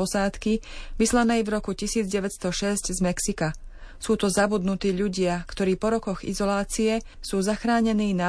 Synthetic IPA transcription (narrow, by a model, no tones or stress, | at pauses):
ɔsaːt̪kiʋislanɛːjvɾɔkucisiːd͡zɟɛʋɛt̪st̪ɔʃɛzcɟzmɛksika | suːt̪ɔzabud̪nut̪iːʎuɟɪakt̪ɔɾiːpɔɾɔkɔɣḭzɔlaːt͡siɛ | suːzaxɾaːɲɛniːna